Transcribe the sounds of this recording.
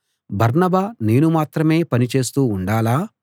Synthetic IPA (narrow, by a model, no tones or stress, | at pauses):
bʱɐɾnɐbaːne̞ːnumaːt̪ɾɐme̞ːpɐnit͡ʃe̞ːst̪uːɳɖaːlaː